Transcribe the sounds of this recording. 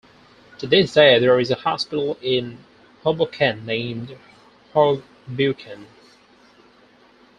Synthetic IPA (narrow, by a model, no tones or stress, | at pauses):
tʰɨðɪsd̥eɪðə˞ɨzəhɑspɪɾl̩ˠɪ̃n | hoblkʰɛ̃nːẽɪ̃md̥ | hɔ | bʉkʰɨ̃n